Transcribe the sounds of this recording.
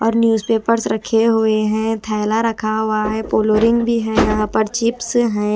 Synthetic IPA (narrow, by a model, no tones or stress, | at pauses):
ɔːɾnjuːzpeːpəɾsɾɐkʰeɦʊeɦɛ̃t̪ʰaːlaɾɐkʰaɦʊaɦɛpoːloɾɪ̃ŋɡbʱiɦɛ̃jɐɦãpəɾt͡ʃɪpsɦɛ̃